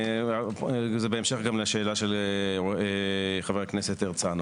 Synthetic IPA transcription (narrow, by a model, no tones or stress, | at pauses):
zebeemʃe̞χɡamleʃe̞ːlaʃeloeχaveʁakneset̪eʁt͡san